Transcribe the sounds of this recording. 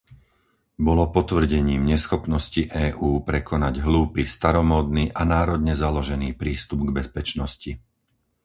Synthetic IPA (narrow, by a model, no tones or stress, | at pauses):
bɔlɔpɔt̪ʋr̩ɟɛɲiːmɲɛsxɔpnɔsciʔɛːʔuːpɾɛkɔnaɟɦluːpiːst̪aɾɔmɔːd̪niːʔanaːɾɔd̪ɲɛzalɔʒɛniːpɾiːst̪ubɡbɛspɛt͡ʃnɔsci